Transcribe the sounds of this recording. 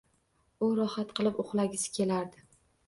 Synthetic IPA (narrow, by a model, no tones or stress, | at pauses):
ʊɾɒhat̪qɨlˠɪpoχlˠaɡʲɪsɪ̥kʲʰe̞laɾd̪ɪ